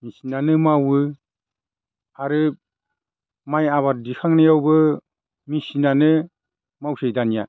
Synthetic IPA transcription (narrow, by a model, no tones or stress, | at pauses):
misinanɯmawɯ | aɾɯ | majaβaɾ̚dikʰaŋnajawbɯ | misinanɯ | mawsejdanija